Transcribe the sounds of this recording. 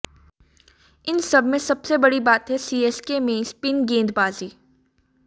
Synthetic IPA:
ɪnsɐbʱmẽsɐbsebɐɽibaːt̪ɦɛsiːɛːskemẽːspɪnɡẽːnd̪ʱbaːziː

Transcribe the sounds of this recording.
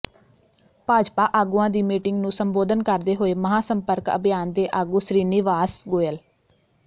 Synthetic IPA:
paːd͡ʒpaːʔaːɡuːãːd̪iːmiːʈɪŋɡnũːsəmboːd̪ənkəɾd̪eːɦoːeːməɦãːsəmpəɾkə̰bɪjaːnd̪eːʔaːɡuːsɾiːniʋaːsɡoːjəl

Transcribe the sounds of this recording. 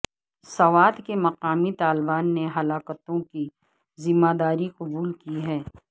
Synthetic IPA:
sɐʋaːd̪kemɐqaːmit̪aːlbaːnːeɦɐlaːkət̪õki | zɪmːaːd̪aːɾiqɐbuːlkiɦɛː

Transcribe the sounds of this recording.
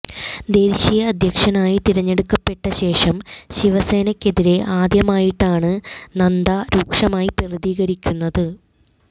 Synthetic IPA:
d̪e̞ːɕijɐːd̪ʱjɐkʂɐnaːjit̪iɾɐɲːe̞ɽukːɐpːe̞ʈːɐɕe̞ːʂɐmɕiʋɐse̞ːnɐkʲːe̞ðiɾe̞ʔaːd̪jɐmaːjiʈːaːɳɨnɐnd̪ɐɾuːkʂɐmaːjiperɨðiːɣɐɾikʲːunːɐðɨ

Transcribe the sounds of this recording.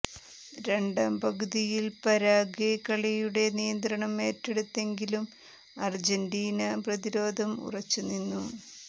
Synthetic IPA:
ɾe̞ɳɖaːmbɐɡuðijilpɐɾaːɡekːɐɭijuɽe̞nijɐnd̪rɐɳɐmeːtːeɽut̪ːe̞ŋɡilum | ɐrd͡ʑendiːnɐprɐðiɾo̞ːd̪ʱɐmṵrɐt͡ɕːuninːu

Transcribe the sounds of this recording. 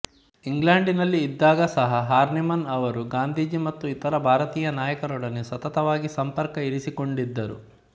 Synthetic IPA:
iŋɡlaːɳɖinɐlːiːd̪ːaːɡɐsɐɦɐɦaːɾnimɐnɐʋɐɾuɡaːnd̪ʱiːd͡ʒimɐt̪ːuit̪ɐɾɐbʱaːɾɐt̪iːjɐnaːjɐkɐɾɔɽɐnusɐt̪ɐt̪ɐʋaːɡisɐmpɐɾkɐiɾisiko̞ɳɖid̪ːɐɾṵ

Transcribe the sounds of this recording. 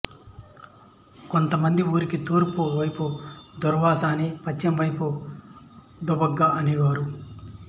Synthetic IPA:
kont̪ɐmɐnd̪iuːɾikit̪uːɾpuʋɐjpud̪uɾʋaːsaːnipɐt͡ʃːɐmʋɐjpu | d̪ubɐɡːaːɐniʋaːɾu

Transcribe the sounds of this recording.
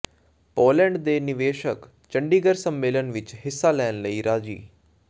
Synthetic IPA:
poːlɛ̃ːɳɖd̪eːnɪʋeːʃək | t͡ʃəɳɖiːɡəɾsəmːeːlənʋɪt͡ʃɦɪsːaːlɛːnləiːɾaːd͡ʒḭː

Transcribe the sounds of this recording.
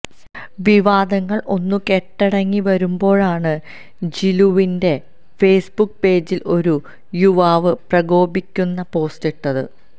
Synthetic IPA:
ʋiʋaːd̪ɐŋːɐɭʔo̞nːuke̞ʈːɐɽɐŋːiʋɐɾumbo̞ːɭaːɳɨ | d͡ʑiluʋinde̞ | fe̞ːsbukːpe̞ːd͡ʑilʔo̞ɾu | juʋaːʋɨprɐɡo̞ːbikʲːunːɐpo̞ːstiʈːɐðɨ

